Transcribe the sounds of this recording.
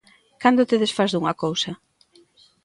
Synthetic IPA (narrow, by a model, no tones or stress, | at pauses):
kand̪ot̪eðesfazðuŋɐkowsɐ